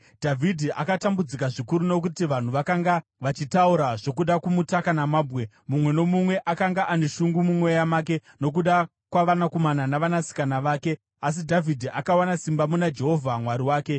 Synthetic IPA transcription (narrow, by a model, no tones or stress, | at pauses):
dʱavʱidʱiʔakatambud͡zikaʐikuɾuno̞k̬utiʋan̤uʋakaŋɡaʋat͡ʃitauɾaʐo̞kuɗakumutakanamaːbʱɣe̞ | mumwe̞no̞mumwe̞ʔakaŋɡaʔane̞ʃuŋɡumumwo̞jamaːk̬e̞no̞k̬uɗa | kwaʋanakomananaʋanasi̥kanaʋaːke̞ | as̬idʱavʱidʱiʔakawanasimbamunad͡ʒe̞ɦo̞vʱamwaɾiwaːke̞